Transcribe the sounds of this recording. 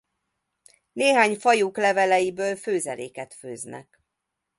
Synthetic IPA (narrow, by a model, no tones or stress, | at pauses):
neːɦaːɲfɒjuklɛvɛlɛjibøːlføːzɛlḛːkɛt̪fø̰ːznɛ̰k